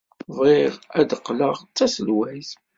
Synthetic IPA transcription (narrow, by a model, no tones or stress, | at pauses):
ðˤɪʁæd̪əqːləʁt͡sːæsəlwæz